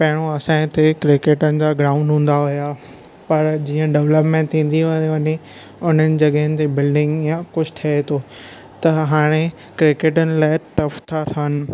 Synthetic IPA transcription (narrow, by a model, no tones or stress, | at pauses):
pɐɦɪɽ̃oɐsãːɪ̃t̪ekɾɪkeːʈənɪ̆d͡ʑaɡɾaːʊ̃ɳɖɦũːn̆d̪aɦʊja | pɐɾd͡ʑiːə̃ɖɛʋləpmẽːɳʈ̚t̪ʰĩːn̆d̪iʋɐɲẽ | ʊn̤ənɪ̆d͡ʑɐɠəɦɪnɪ̆t̪ebɪlɖɪ̃ŋɡjãkʊd͡ʑʰt̪ʰɐet̪oː | t̪ɐɦaːɽ̃e | kɾɪkeːʈ̬ənɪ̆laːɪʈɐft̪ʰat̪ʰənɪ̆